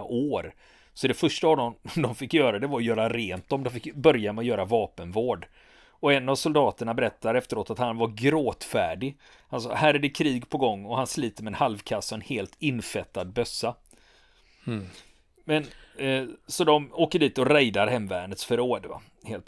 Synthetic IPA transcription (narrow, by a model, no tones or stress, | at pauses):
ʔoːɾ | sɔd̪ɛfœʂʈaːvd̪ɔmd̪ɔmfɪkːjœːɾad̪ɛvaɾjœːɾaɾeːnt̪ɔmd̪ɔfɪkbœɾjamɛɔjœːɾavɑːpənvoːɖ | ɔɛnːavsʊld̪ɑːt̪əɳabɛɾɛt̪ːaɾɛft̪əɾoːt̪at̪hanvaɾɡɾoːt̪fæːɖɪ | hansɔ̰hæːɾæɖɛkʰɾiːɡpʰɔɡɔŋːɔhansliːt̪əɾmɛnhalvkʰasːɔɛnheːlt̪ʰɪnfɛt̪ːad̪̚bœsːa | mɛn | sɔd̪ɔmoːkəɖiːt̪ɔɾɛjd̪aɾɦɛmvæːɳət̪sfœɾoːɖva̰ | heːlt̪